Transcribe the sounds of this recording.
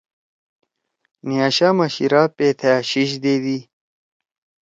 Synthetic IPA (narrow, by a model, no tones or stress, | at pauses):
nijaːɕaːmɐɕḭɾapeːt̪ʰeɕiɕ̬d̪eːd̪i